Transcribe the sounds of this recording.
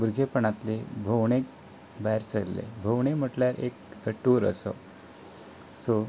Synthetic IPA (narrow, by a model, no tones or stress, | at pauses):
buɾɡʱepəɳat̪lebʱəwɳek | baɦjɾsəɾlḛbʱəwɳem̤əʈljaɾʔḛkɡəʈːuːɾə̰sə̰ | so